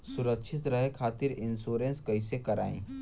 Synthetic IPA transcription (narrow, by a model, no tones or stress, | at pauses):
suɾəkʃʰit̪ɾəɦekʰat̪iɾinsuɾenskəjsekəɾã̰ḭ̃